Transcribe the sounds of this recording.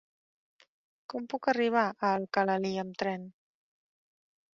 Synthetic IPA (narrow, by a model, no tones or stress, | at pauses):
kɔmpukəriβ̞aʔəlˠkələliəmt̪ɾɛn